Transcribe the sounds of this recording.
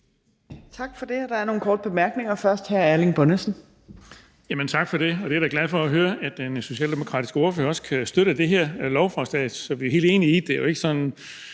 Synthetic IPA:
t͡sʰɑ̈ɡ̥fɒ̽d̥e̝æd̥ɑ̈æɐno̝ːn̩kʰɒːd̥əb̥e̝mæɐɡ̥ne̝ŋɐfɶɐsd̥hæɐælinb̥ɔnəsn̩ | jæmənt͡sʰɑ̈ɡ̥fɒ̽d̥e̝ɒ̽d̥e̝æɐɾ̥ɑɡ̥læðˠfɒ̽æɦøːɐæ̥d̥enso̝ɕɛ̰ːld̥emo̝kʰʁɑ̰̈ːd̥isɡ̥oɐføːɐɒ̽sə̥kʰæsd̥øɾ̥əd̥e̝ɦeɐ̰lɒʊfʁɒsd̥ɛ̰d̥sɒ̽ʋihe̝̰ld̥e̝̰ːnii̥d̥ejoe̝ɡ̥əsɒ̽n

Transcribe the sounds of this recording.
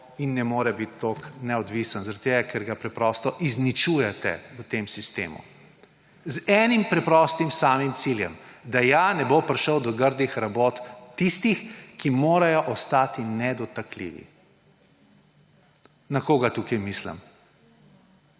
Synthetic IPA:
inːɛmoːɾɛbit̪ːoknɛɔd̪ʋisənzaɾat̪ːeːɡakʰɛɾɡapɾɛpɾɔst̪ɔʔiznit͡ʃujɛt̪ɛ̰wət̪emsist̪ḛːmṵ | zɛːnimpɾɛpɾɔst̪imsaːmimt̪siljɛ̰md̪ajanɛbopɾʃəwd̪ɔɡəɾd̪ixɾaboːt̪ːist̪ixkimoːɾajɔʔɔst̪aːt̪inɛd̪ɔt̪aklḭːʋḭ | nakoːɡat̪ukɐjmislə̰m

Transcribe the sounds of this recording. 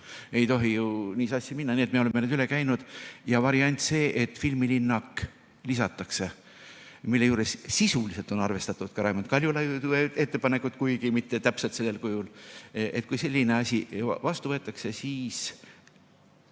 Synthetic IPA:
e̞jt̪o̞ɦijuniːsɑsʲːjɑminːɑniːet̪meoemːened̪yle̞kæjnud̪̥jɑvɑɾiɑnʲt̪ʲse̞ːʔet̪ːˑfilmilinːɑk | lisɑt̪ːˑɑkse̞ | milːe̞juːɾessisulise̞lt̪o̞nɑrve̞st̪ɑt̪ːˑud̪̥kɑɾɑjmɑnt̪kɑlʲjulɑjud̪uee̞t̪ːepɑne̞kːut̪kujɡimit̪ːe̞t̪æpselt̪se̞lːelkujule̞t̪̚ːˑkujse̞lʲːine̞ɑsʲivɑst̪uvɤ̞et̪ːˑɑkse̞siːs

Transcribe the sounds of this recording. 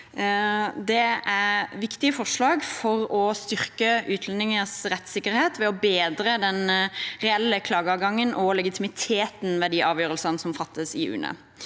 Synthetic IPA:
d̪ɛæʋɪkt̪ɪəfɔʁʂlɑːɡfɔʁɔst̪ʏʁkəʔʉːt̪ʰlɛnɪŋəsɾɛt̪sɪkːəʁheːt̪ʋɛɔbeːd̪ɾəd̪ɛnʁɛɛlːəkʰlɑːɡəɑɡɑŋːənʔɔlɛɡɪt̪ʰɪmɪt̪ʰeːt̪n̩ʋɛːd̪iːʔɑːʋjøːɾəlsənəsɔmfɑt̪ːəsɪʉ̰ːnə̰

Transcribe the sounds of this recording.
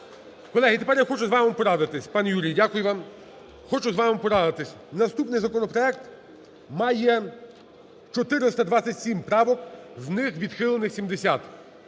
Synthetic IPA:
kɔlˠɛɦɪt̪ɛpɛɾjaxɔt͡ʃʊzʋɑmɪmpɔɾad̪ɪt̪ɪsʲpɑnjuɾʲijdʲakʊjʊʋɑm | xɔt͡ʃʊzʋɑmɪmpɔɾad̪ɪt̪ɪsʲ | nɐst̪upnɪjzɐkɔnɔpɾɔɛk̚t̪ | mɑjɛ | t͡ʃɔt̪ɪɾɪst̪ɐd̪ʋat͡sʲɐtʲsʲimpɾɑʋɔkznɪxʋʲid̪xɪlˠenɪxsʲimd̪esʲat̪

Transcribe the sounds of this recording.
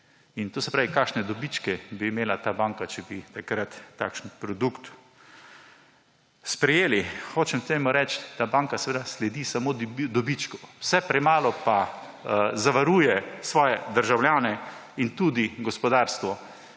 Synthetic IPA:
int̪oːsɛpɾaːʋikakʃnɛd̪obit͡ʃkɛbiːmeːlat̪aːbaːŋkat͡ʃɛbit̪akɾat̪ːa̰kʃənpɾɔd̪ukt̪ | spɾɛjeːlixoːt͡ʃɛmt̪eːmʊɾɛt͡ʃd̪abaŋkasɛʋeːd̪aslɛd̪isamod̪d̪ɔbit͡ʃkɔ̥wsɛpɾɛmaːlɔpa | zaʋaɾuːjɛsʋɔːjɛd̪əɾʒawljaːnɛ | int̪uːd̪iɡɔspɔd̪aɾst̪ʋɔ

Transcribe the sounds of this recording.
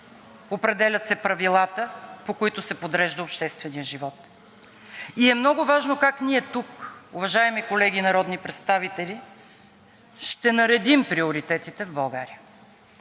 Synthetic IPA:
opɾɛd̪ɛlʲɐt̪sɛpɾɐvilˠat̪əpokoit̪ʊsɛpod̪ɾɛʒd̪əopʃt̪ɛst̪vɛnijəʒivɔt̪ | iɛmnɔɡʊvaʒnokakniɛt̪ukʊvɐʒaɛmikolɛɡʲinɐɾɔd̪nipɾɛt̪st̪avit̪ɛli | ʃt̪ɛnɐɾɛd̪impɾiʊɾit̪ɛt̪it̪ɛvbɐlˠɡaɾiə

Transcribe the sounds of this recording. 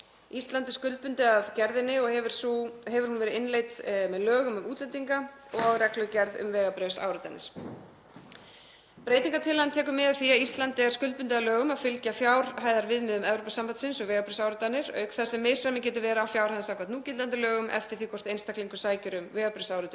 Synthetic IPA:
ist̪lant̪ɪskʏl̚pʏnt̪ɪavcɛɾðɪnːɪɔɣhɛvʏɾ̥shɛvʏɾ̥hunvɛːɾɪɪnleːjt̪mɛðlœːɣʏmʏmuːt̪lɛnt̪iŋka | ɔɣawɣrɛklœcɛɾðʏ̰mvɛːɣapɾɛsa̰ːwɾʏt̪anɪ̰ɾ̥ | pɾeːjt̪iŋkat̪ʰɪlhant̪ʰɛːk̬ʏmɪːðaθiaðist̪lant̪ɪaɾskʏl̚pʏnt̪ɪalœːɣʏmaðfɪlcafjaːwɾ̥ɦaːjðaɾvɪðmɪðʏmɛvɾopasampaðsɪnsɔɣvɛːɣapɾɪsaːwɾʏt̪anɪɾœ̰ɥkθasɛmːɛ̥ːsamɪcɛːt̪ʏvɛːɾaːfjawɾ̥hajðasawkvat̪nuːcɪt̪ant̪ɪlœːɣʏmʔɛ̰ft̪ɪɾ̥θikʰɔr̥t̪ejnst̪akliŋkʏsaːjcʏɾʏmvɛːɣapɾɪsawɾʏt̪ːʏ

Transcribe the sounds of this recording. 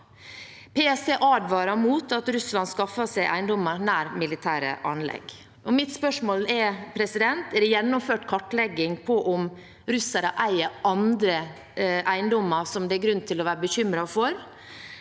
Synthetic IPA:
pʰɛɛsɛʔɑːd̪ʋɑːɾɑmuːt̪ʰɑt̪ɾʉslɑnskɑfɑsæɪʔæɪnd̪ɔmənæːɾmɪlɪt̪ʰæːɾə̰ʔɑ̰nlɛ̰ɡ | ʔɔmɪt̪spœʂmoːlɛɾpʰɾɛsɪd̪ɛnt̪ɛd̪ɛjɛnːɔmføːʈkʰɑʈːlɛɡːɪŋpʰɔʔɔm | ɾʉsəɾəʔæɪəʔɑnd̪ɾə | ʔæɪnd̪ɔmːəsɔmd̪ɛːɾɡɾʉnt̪ʰɪlɔʋæːɾəbəçʏmɾɑfɔɾ

